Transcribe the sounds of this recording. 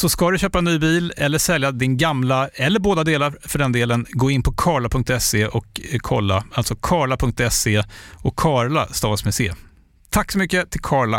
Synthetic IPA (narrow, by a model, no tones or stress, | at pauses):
sɔskad̪ɵɕøːpanyːbiːlɛlːəʂɛljad̪ɪnɡamlaɛlːəɾboːd̪ad̪eːlaɾfœɖɛnd̪eːlənɡoːɪnːpʰɔkʰɑːɭapʰɵŋk̚t̪ɛseːʔɔkkʰːɔlːa̰alt̪sɔkʰɑːɭapʰɵŋk̚t̪ɛseːɔkʰːɑːɭast̪ɑːsmɛsḛː | t̪ʰakːsɔmʏkːət̪ʰɪlkʰɑːɭa̰